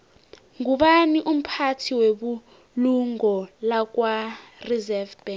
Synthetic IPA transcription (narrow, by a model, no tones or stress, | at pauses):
ŋuɓaniʔum̩pʰatʰiweɓu | luŋɔlak̬warizɛvb̥ɛ